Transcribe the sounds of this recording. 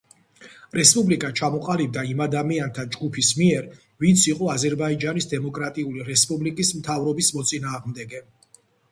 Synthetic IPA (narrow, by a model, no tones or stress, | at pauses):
ɾɛspʼublikʼat͡ʃʰamɔqʼalib̚d̪aimad̪amiant̪ʰad͡ʒɡupʰismiɛɾ | vint̪sʰiqʼɔazɛɾbaid͡ʒanisd̪ɛmɔkʼɾat̪ʼiuliɾɛspʼublikʼismt̪ʰavɾɔbismɔt̪sʼinaːʁmd̪ɛɡɛ